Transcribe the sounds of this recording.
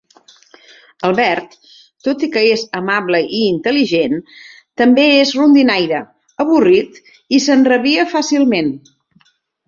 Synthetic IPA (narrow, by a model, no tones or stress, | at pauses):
əlˠβɛɾt̪ː | ot̪ikəezəmaβləʔiːnt̪əliʒen | t̪əmbeezrund̪inajɾə | əβurit̪ | isənrəβiəfasilˠmen